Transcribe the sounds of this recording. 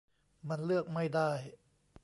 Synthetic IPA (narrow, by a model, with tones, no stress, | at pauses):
ma˧nlɯ˥˩ək̚ma˥˩jda˥˩j